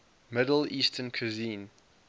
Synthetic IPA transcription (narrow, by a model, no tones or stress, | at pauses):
mɪdəl̩iːstʰənkʰuzĩn